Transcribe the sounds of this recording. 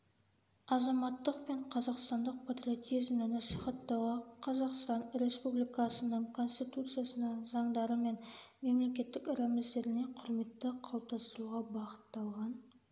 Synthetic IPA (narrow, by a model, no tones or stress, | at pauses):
ɑzɑmɑt̪ːəqpe̞ɴqʰɑzɑqst̪ɑnd̪əq̚pʰat̪ɾrʲio̞t̪ijzmnənɑsiχɑt̪ːɑwʁɑqʰɑzɑqst̪ɑnɾʲe̞spublijkɑsənəɴkʰo̞nsʲt̪ijt̪ut̪sɨjasənɑzɑɴd̪ɑɾəme̞n | me̞mle̞kʲe̞t̪ːɪkɪɾæmɪzd̪e̞ɾɪne̞qʰʊɾme̞t̪ːɪqʰɑlˠp̚t̪ɑst̪əɾuʁɑbɑqə̥t̪ːɑlˠʁɑn